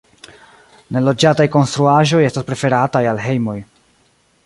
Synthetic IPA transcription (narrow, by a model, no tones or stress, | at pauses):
ne̞lo̞d͡ʒatajko̞nst̪ɾuaʒo̞je̞staspɾe̞fe̞ɾatajalɦe̞jmo̞j